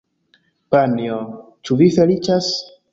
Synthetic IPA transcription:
panio | t͡ʃuvife̞lit͡ʃas

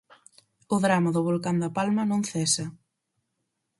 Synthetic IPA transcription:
ʊðɾamɐðʊβolkand̪ɐpalmɐnõŋθɛsɐ

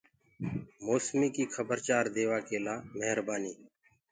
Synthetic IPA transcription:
moːsmiːkiːxʰəbəɾt͡ʃaːɾd̪eːʋaːkeːlaːmeɦəɾbaːniː

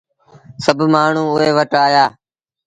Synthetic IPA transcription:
səbʱmaːɳ̤ũːʊɦeːʋəʈaːjaː

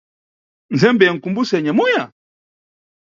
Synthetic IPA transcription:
n̩zɛmbɛŋ̩kumbusɛɲamuja

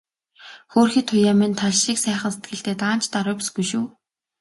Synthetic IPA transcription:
xoːrxiːt̪ʰʊjaːmĭnt̪ʰaɮʃiːksæːχə̆nse̥t̪ɡɘ̆ɬt̪eːt̪aːn̥t͡ɕt̪aɾʊːpasɡujʃuː

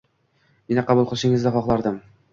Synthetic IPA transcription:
mɪnaqʰɑbʊlˠqʰɨlˠʃɪŋɪzd̪aχɒχlˠaɾd̪ɪm

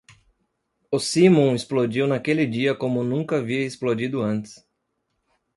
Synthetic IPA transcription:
ʊsimõɪsplod͡ʒiwnɐkelɪd͡ʒiɐkõmʊnũŋkɐaviɐesplod͡ʒid̪ʊɐ̃nt̪ɪ̥s

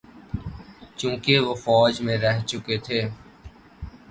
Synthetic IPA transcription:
t͡ʃũːkeʋofɔːd͡ʒmẽɾɛɦt͡ʃʊket̪ʰeː

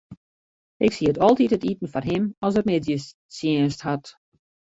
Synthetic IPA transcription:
ʔɪksiətɔlˠtithətitən̩fɔrɦɪmɔsərmɪdjə | sjiənsthat

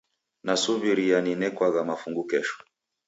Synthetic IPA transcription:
nasuβiɾijaninɛkwaɣamafuŋɡukɛʃɔ̥

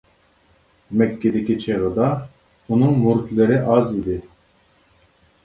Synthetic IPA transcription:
mɛkʲːed̪ɪkʲɪt͡ʃʰeʁəd̪ɑ | unɨŋmuɾt̪leɾɪʔɑzid̪ɪ

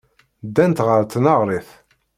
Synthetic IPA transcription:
d̪ːænt̪ʁəɾt̪nɑʁɾiθ

